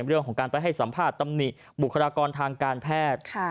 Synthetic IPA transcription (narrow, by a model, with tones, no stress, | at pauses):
mɾɯ˥˩əŋkʰɔː˩˦ŋkaː˧npa˧jɦa˥˩jsa˩˦mpʰaː˥˩t̪ːa˧mni˨˩ʔ | bu˨˩kʰːa˧ɾaː˧kɔː˧nt̪ʰaː˧ŋkaː˧npʰɛː˥˩t̪̚kʰ